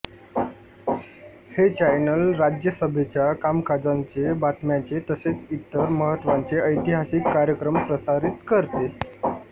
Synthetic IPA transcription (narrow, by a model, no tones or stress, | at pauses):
het͡ɕajnəlɾad͡ʑjəsəbʱet͡ɕjakamkad͡zaɲt͡sebaʈʰmjat͡set̪əset͡sit̪ːəɾməɦət̪ːʋaɲt͡seəjt̪iɦasikːaɾjəkɾəmpɾəsaɾit̪kəɾt̪e